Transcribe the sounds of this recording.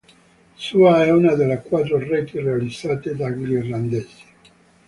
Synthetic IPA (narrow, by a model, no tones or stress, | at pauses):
suaɛunad̪elːekwat̪ːɾoret̪irealid̪zaːt̪ed̪aɡlirland̪eːze̥